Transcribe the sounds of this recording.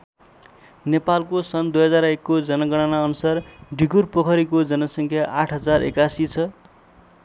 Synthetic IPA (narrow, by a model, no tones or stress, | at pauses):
nepalkosʌnd̪ujɦʌd͡zaɾekːod͡zʌnʌɡʌɽ̃anaʌnusarɖʱiɡurpokʰʌɾikod͡zʌnʌsʌŋkʰjaʔaʈʰɦʌd͡zarḛkasit͡sʰʌ